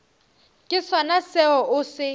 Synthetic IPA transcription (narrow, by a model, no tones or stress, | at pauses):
kʼɪsɔnasɛɔʔʊsɪ